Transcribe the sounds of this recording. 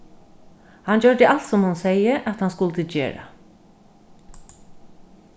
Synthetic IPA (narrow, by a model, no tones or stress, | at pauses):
hɑnd͡ʒœɹd̪əʔalt̪sɔmhʊnseɪəʔat̪hanskʊlt̪əd͡ʒḛːɹa̰